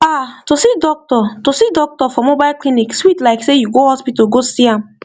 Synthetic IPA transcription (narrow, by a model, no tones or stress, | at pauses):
atosidɔk̚tɔtosidɔk̚tɔfɔmobaɪlklinikswitlaɪksejuɡohɔspitɔɡosiãm